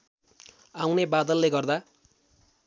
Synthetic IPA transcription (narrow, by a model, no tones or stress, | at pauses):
awnebad̪ʌlːeɡʌrd̪a